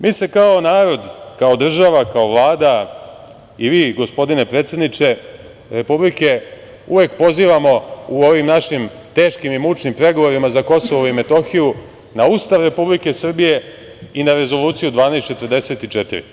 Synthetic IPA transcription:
mʔiːse̞kao̞naːɾo̞d̪kao̞d̪r̩ʒaʋakao̞ʋlˠaːd̪a | iʋiːɡo̞spo̞d̪ine̞pɾeːt̪sed̪nit͡ʃe̞ | ɾe̞publike̞ | ṵʋekpo̞ziːʋamo̞uo̞ʋimnaʃim | t̪e̞ːʃkimimut͡ʃnimpɾe̞ɡo̞ʋo̞ɾimazako̞so̞ʋoime̞t̪o̞xiju | naust̪aʋɾe̞publike̞sr̩bije̞ | inaɾe̞zo̞lˠuːt̪sijud̪ʋaːnejst̪t͡ʃet̪rd̪e̞se̞t̪it͡ʃet̪ḭɾḭ

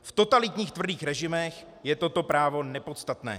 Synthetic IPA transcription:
ft̪o̞t̪alɪt̪ɲiːxt̪vr̩diːxɾɛʒɪmɛx | jɛt̪o̞t̪o̞pɾaːvo̞nɛpo̞t̪st̪at̪nɛ̰ː

